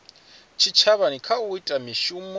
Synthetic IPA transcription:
t͡ʃʰit͡ʃʰaβanikʰauitʼamiʃumɔ

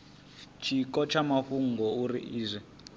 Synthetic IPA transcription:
t͡ʃʰikɔt͡ʃʰamaɸuŋɡɔurḭʔiːzʷɛ

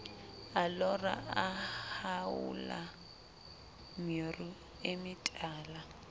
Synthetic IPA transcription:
alɔra̰ahaʊ̰la̰ | mɔru | emɪtʼaːla

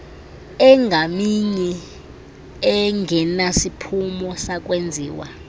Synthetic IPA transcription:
ɛŋɡʱamiɲɛ | ɛŋɡʱɛnasipʰumɔsak̬ʼwend͡zʱiːwa̰

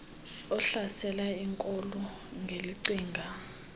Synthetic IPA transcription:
ɔɬasɛlaiŋkʼɔlɔ | ŋɡʱeliǀiːŋɡʱa

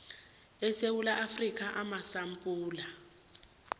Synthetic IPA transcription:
ɛsewulaʔafrik̬ʼaʔamasampʼuːla

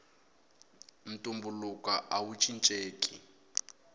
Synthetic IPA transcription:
n̩tʼumbulukaʔawut͡ʃʰʼint͡ʃʼeːkʼi

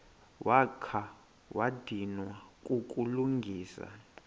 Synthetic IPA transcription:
wʔakʰa | wad̥ʱinwakʼukʼuluŋɡʱiːsa̰

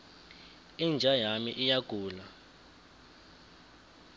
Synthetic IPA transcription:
ind͡ʒʱajamiʔijaɡ̥ʱuːla

